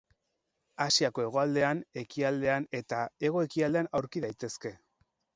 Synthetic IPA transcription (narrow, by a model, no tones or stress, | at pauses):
asiako̞e̞ɣ̞o̞ald̪e̞ane̞kiald̪e̞ane̞t̪ae̞ɣ̞o̞ekiald̪e̞anawɾkiðajt̪e̞ske̞